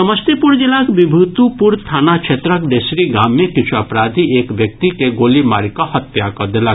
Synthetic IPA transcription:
sɐməst̪epuɾd͡ʒilakbibʱut̪upuɾt̪ʰaːnat͡ʃʰet̪ɾakd̪esɾiɡaːmːẽkit͡ʃʰuapɾad̪ʱiekʋjək̚t̪ikeɡoːlimaɾikɔhɐt̪ːjakɔd̪ela

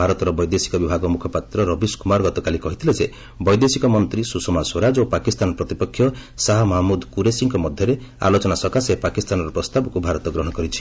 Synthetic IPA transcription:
aɾɔt̪ɔɾɔbɔjd̪esi̥kɔbibʱaɡɔmukʰɔpat̪ɾɔɾɔbiskumaɾɡɔt̪ɔkalikɔɦit̪ʰiled͡ʒe | bɔjd̪esikɔmɔnt̪ɾisusɔmaswɔɾad͡ʒopakist̪anɔpɾɔt̪ipɔkʰːjɔsaɦamɔɦamud̪kuɾesiŋkɔmɔd̪ʱjɔɾe | a̰lot͡ʃɔnasɔkasepakist̪anɔɾɔpɾɔst̪abɔkubʱaɾɔt̪ɔɡɾɔɦɔ̃ɽ̃ɔkɔɾit͡ʃʰi̥

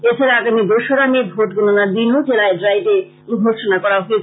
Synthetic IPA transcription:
et͡ɕʰaɾaaɡamid̪oʃoɾamibʱoʈɡononab̪inod͡ʑelaeɖɾajʈe | ɡʱoʃonakɔɾaɦoet͡ɕʰ

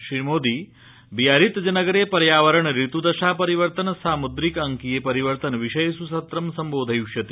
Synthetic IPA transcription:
ʃɾiːmoːd̪i | bijaːɾit̪d͡ʒɐnɐɡɐɾeːpɐɾjaːʋɐɾɐɳɾit̪ud̪ɐʃaːpɐɾiʋɐɾt̪ɐnɐsaːmud̪ɾikɐŋkijepɐɾiʋɐɾt̪ɐnʋiʃɐjsusɐt̪ɾɐmsɐmboːd̪ʱɐjuʃjɐt̪i̥

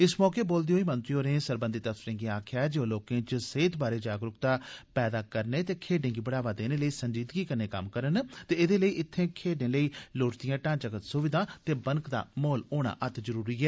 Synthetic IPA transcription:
ɪsmɔːkeːboːld̪eoːiːmənt̪ɾioːɾẽːsəɾbənd̪ɪt̪əsɪɾẽːɡiaːkʰɪjaːɛd͡ʒoːloːkẽːt͡ʃseːt̪baːɾeːd͡ʒaːɡɾʊkt̪aːpɛːd̪aːkəɾneːt̪eːkʰeːɖẽːɡiːbəɽaːʋaːd̪eːneːləiːsəɲd͡ʒiːd̪ɡiːkəɾneːkə̰mkəɾənt̪eːɪd̪eːləiːʔɪt̪ʰːẽːkʰeːɖẽːləiːloːʈd̪ɪjãːʈãːnt͡ʃəkət̪sʊʋɪd̪ãːt̪eːbənkd̪a̰ːmoːloːɽa̰ːʔət̪ʰzəɾuːɾiːɛː

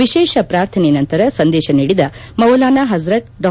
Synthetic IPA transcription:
ʋiʃeːʃɐpɾaːɾt̪ʰɐnenɐnt̪ɐɾɐsɐnd̪ɛːʃɐniːɽid̪ɐmɐwlaːnaɦɐzɾɐʈ̚ɖɔ

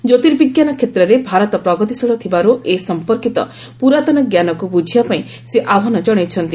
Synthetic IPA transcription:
d͡ʒot̪iɾbiɡjanɔkʰet̪ɾɔɾebʱaɾɔt̪ɔpɾɔɡɔt̪isɔɽɔt̪ʰibaɾuesɔmpɔɾkit̪ɔ̰ | puɾat̪ɔnɔɡjanɔkubud͡ʒʱijapaĩ | seʔabʱɔnɔd͡ʒɔɽ̃et͡ʃʰɔnt̪i

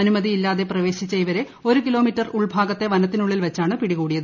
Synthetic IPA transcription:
ɐnumɐðiilːaːðe̞prɐʋe̞ːɕit͡ɕːɐjʋɐɾe̞ | o̞ɾukilo̞ːmitːɐruɭbʱaːɡɐt̪ːe̞ʋɐnɐt̪ːinuɭːilʋet͡ɕːaːɳɨpiɽiɣuːɽijɐðɨ

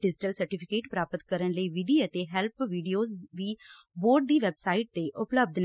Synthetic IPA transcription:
ɖɪd͡ʒɪʈəlsəɾʈɪpʰɪkeːʈpɾaːpət̪kəɾənləiːʋɪd̪iːət̪eɦɛlpʋiːɖijoːzʋiː | boːɾɖ̚d̪iːʋɛbsaːiʈ̚t̪eːʔʊpləb̚d̪n

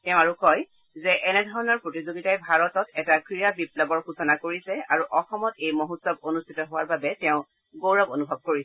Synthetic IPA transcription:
tɛʊ̃aɹukɔj | zɛʔɛnɛdʱɔɹɔnɔɹpɹotizoɡitajbʱaɹɔtɔtɛtakɹijabiplɔbɔɹxusɔnakoɹisɛa̰ɹuʔɔxɔmɔtejmoɦutsɔbonustʰitɔɦʊwaɹbabɛtɛʊ̃ | ɡowɹɔbonubʱɔb̚koɹisɛ

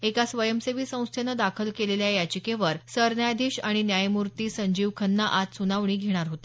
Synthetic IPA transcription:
ekasʋəjəmseʋiːsə̃w̃st̪ʰjenəd̪akʰəlkeleljajat͡ɕikeʋəɾsəɾnjajd̪iɕaɽ̃injajmuɾt̪iːsəɲd͡ʑiʋkʰənːaʔat̪sunaʋɳ̃iːɡʱeɽ̃aɾɦot̪e̥

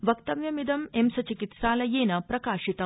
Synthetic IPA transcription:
ʋɐkt̪ɐʋjɐmid̪ɐmemsɐt͡ʃikit̪saːlɐjeːnɐpɾɐkaːʃit̪ɐ

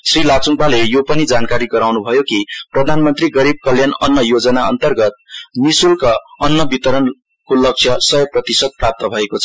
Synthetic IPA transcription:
srilat͡suŋpalejopʌnid͡zankaɾiɡʌɾawnubʱʌjokiprʌd̪ʱanmʌnt̪riɡʌɾib̚kʌljanʌnːʌjod͡zʌnaʌ̰nt̪ʌrɡʌt̪̚nisulkaʌnːʌbit̪ʌɾʌn | kolʌk̚sʰjʌsʌjʌprʌt̪isʌd̪̚prap̚t̪ʌbʱʌekot͡sʰʌ̥

